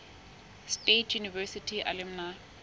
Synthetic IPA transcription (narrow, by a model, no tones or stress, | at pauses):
stetʰjunivɛsitʰiʔa̰lɛmna